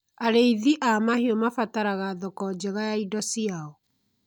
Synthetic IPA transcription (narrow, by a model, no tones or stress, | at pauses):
aɾeiðiʔamaheɔmafataɾaɣaðɔkɔd͡ʑɛɣajaidɔsiaɔ